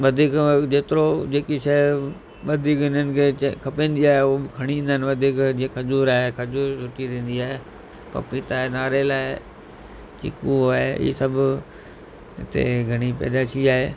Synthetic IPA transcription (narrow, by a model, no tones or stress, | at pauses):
ʋɐd̪ʱiːkd͡ʑeːt̪ɪɾod͡ʒeːkiʃɐ | ʋɐd̪ʱiːkɪnənɪ̆kʰeːkʰɐpẽːnd̪iaːɦeʊbɪkʰɐɽ̃iĩːn̆d̪ənɪʋɐd̪ʱiːkd͡ʒĩkʰɐd͡ʒuːɾaːɦekʰɐd͡ʒuːɾsʊʈiɾẽːnd̪iaːɦe | pɐ̰pit̪aːenaːɾelaːɪ | t͡ʃɪ̰kuaːɦeḭːsɐbʱ | ɪ̰t̪ḛɡʱɐɽ̃ipɛ̰ːd̪aːʃʰiaːɦeː